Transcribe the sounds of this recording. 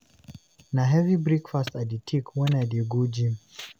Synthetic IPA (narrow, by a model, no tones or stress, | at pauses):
naɦɛvibɾikfastaditʰikwɛnadiɡud͡ʒi